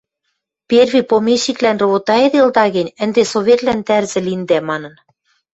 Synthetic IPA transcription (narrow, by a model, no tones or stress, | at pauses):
pʲerβipomeʃiklænrŏβot̪ɑed̪eld̪ɑɣɘ̆nʲə̆nd̪esoβʲet̪lænt̪ærzɘ̆lind̪æmɑnɤ̆n